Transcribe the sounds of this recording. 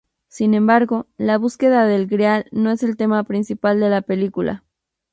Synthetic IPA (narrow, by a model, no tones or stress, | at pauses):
sinẽ̞mbaɾɣo̞laβ̞uske̞ðaðe̞lɡɾjalnoe̞se̞lt̪e̞mapɾinsipald̪e̞lape̞likula̰